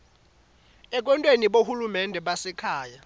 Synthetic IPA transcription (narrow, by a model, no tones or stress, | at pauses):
ɛk̬ʼwɛntʼweniɓohulumɛndʱɛɓasɛkʰaːja